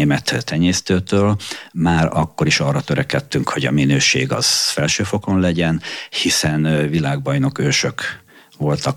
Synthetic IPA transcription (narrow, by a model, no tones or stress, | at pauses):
eːmɛt̪ʰːɛɲeːst̪øːt̪øːlmaːɾɒkːo̞ɾiʃɒːrːɒt̪øɾɛkɛt̪ːyŋkho̞ɟɒ̰minøːʃḛːɡɒ̰z̥fɛlʃøːfo̞ko̞nlɛɟɛnhisɛnvilaːɡ̚bɒjno̞køːʃø̞k | ʋo̞lt̪ɒk